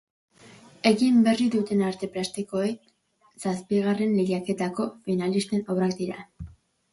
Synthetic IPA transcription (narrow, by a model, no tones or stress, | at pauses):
e̞ɣimbe̞riðut̪e̞naɾt̪e̞pɾast̪iko̞e̞k | saspiɣare̞nleʎake̞t̪ako̞finalist̪e̞no̞βɾak̚d̪iɾa̰